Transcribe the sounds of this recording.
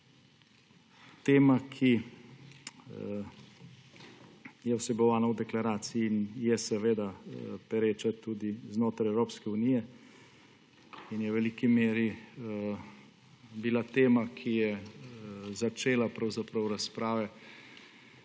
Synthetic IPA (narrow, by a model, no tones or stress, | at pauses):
t̪eːmakʰi | jɛwsɛbɔʋaːnawd̪ɛklaɾaːt̪siiːnjɛsɛʋeːd̪apɛɾeːt͡ʃat̪uːd̪iznoːt̪ɾajɛwɾoːpskɛunijɛ | injɛwʋɛlikimeːɾi | bilat̪eːmakʰijɛ | zat͡ʃeːlapɾawzapɾɐwɾaspɾaːʋɛ